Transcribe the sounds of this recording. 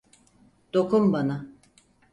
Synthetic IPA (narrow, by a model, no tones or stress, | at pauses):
d̪̥o̞kʰumbana